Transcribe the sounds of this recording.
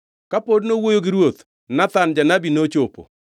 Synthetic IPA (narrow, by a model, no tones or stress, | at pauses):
kapodnowojoɡɪɾwot̪ | nat̪and͡ʒanabinot͡ʃopo̰